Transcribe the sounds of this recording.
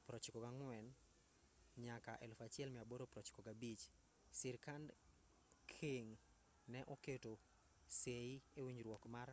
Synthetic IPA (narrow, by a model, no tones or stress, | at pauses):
pɾɔt͡ʃkɔɡaŋwɛn | ɲakaʔelfat͡ʃɪɛlmɪaboɾopɾɔt͡ʃkoɡabit͡ʃ | sɪɾkand | kʰeŋ | nɛʔoketo | seiewiɲɾwɔkmar